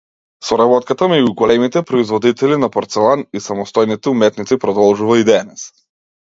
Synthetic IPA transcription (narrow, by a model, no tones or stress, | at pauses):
sɔɾabɔt̪kat̪amɛɟuɡɔlɛmit̪ɛpɾɔizvɔd̪it̪ɛlinapɔɾt̪sɛlˠanisamɔst̪ɔjnit̪ɛumɛt̪nit̪sipɾɔd̪ɔlˠʒuvaid̪ɛnɛs